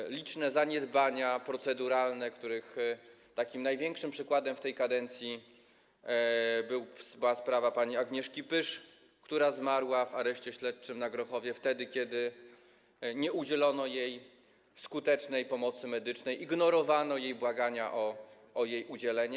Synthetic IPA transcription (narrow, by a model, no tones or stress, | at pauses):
lʲit͡ʂnɛzaɲɛd̪baɲapɾɔt̪sɛd̪uɾalnɛkt̪uɾɘxt̪akʲimnajvʲjɛŋkʂɘmpʂɘkwad̪ɛmft̪ɛjkad̪ɛnt̪sʲji | bɘwsbɘwaspɾavapaɲiaɡɲɛʂkʲipɘʂ | kt̪uɾazmaɾwavaɾɛɕt͡ɕɛɕlɛt̪̚t͡ʂɘmnaɡɾɔxɔvʲjɛft̪ɛd̪ɘkʲɛd̪ɘ | ɲɛud͡ʑɛlɔnɔjej | fskut̪ɛt͡ʂnɛjpɔmɔt̪sɘmɛd̪ɘt͡ʂnɛjʔiɡnɔɾɔvanɔjejbwaɡaɲaʔɔ | ʔːjejʔud͡ʑɛlɛɲɛ